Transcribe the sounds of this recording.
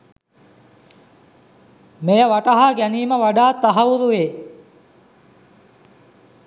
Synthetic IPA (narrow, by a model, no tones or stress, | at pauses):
mejəʋaʈaɦaɡæniːməʋaɖaːt̪ːaɦɐʋuɾuʋeː